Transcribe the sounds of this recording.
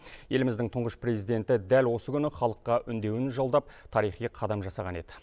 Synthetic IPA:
je̞lɪmɪzd̪ɪŋt̪ʰʊɴʁəʃpre̞zijd̪e̞nt̪ɪd̪ælwo̞səkʲʰʏnɪχɑlˠəqːɑʔʏnd̪e̞wɪnʒolˠd̪ɑp̚t̪ʰɑɾijχijqʰɑd̪ɑmʒɑsɑʁɑne̞d̪ɪ

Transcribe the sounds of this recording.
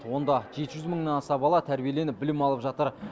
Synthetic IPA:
wo̞nd̪ɑʒe̞t̪ɪʒʏzməɴnɑnɑsɑbɑlˠɑt̪ʰæɾbie̞le̞nɪp̚bɪlɪmɑlˠəpʒɑt̪əɾ

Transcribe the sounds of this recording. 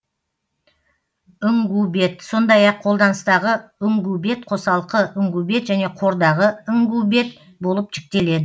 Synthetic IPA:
ʏŋɡube̞t̪so̞nd̪ɑjɑqʰolˠd̪ɑnəst̪ɑʁəʏŋɡube̞t̪qʰo̞sɑlˠəqəʔʏŋɡube̞t̪ʒæne̞qʰo̞ɾd̪ɑʁəʏŋɡube̞t̪̚ | bo̞lˠəp̚ʒɪk̚t̪e̞le̞d̪ɪ

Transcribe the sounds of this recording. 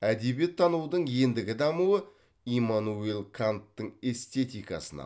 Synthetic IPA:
æd̪e̞bije̞t̪ʰːɑnuwd̪əɴje̞nd̪ɪɡʲɪd̪ɑmuə | imanuelˠkʰant̪ːəɴe̞st̪e̞t̪ijkɑ̰sənɑ̰

